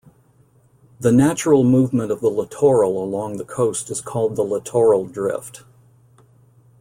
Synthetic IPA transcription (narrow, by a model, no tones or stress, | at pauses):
ðɨnæt͡ʃɹl̩ˠmuvmə̃ñʌvðələtʰɔɹl̩ˠəlɔ̃ŋðəkʰoʊstɨz̥kʰɔlˠd̪̚ðələtʰɔɹl̩ˠdɹɪ̰ft